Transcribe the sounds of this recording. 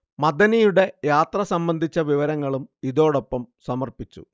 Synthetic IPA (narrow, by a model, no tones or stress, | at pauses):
mɐd̪ɐnijuɽe̞jaːt̪rɐsɐmbɐnd̪ʱit͡ɕːɐʋiʋɐɾɐŋːɐɭumiðo̞ːɽopːɐmsɐmɐrpit͡ɕːṵ